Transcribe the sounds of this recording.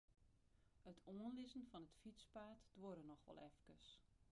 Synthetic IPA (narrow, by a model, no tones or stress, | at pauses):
ətʰoənlɪzənfɔnətfit͡spaːtd̥woɾənɔxʋɔ̰lˠɛfkəs